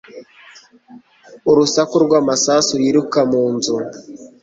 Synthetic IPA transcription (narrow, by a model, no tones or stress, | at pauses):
uɾusakuɾɡwaːmasasujiɾukamuːnzu